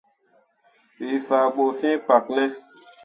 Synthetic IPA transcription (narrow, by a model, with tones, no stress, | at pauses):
wi˨fa˨ɡ͡bo˨fĩ˦pa˨k̚nɛ˦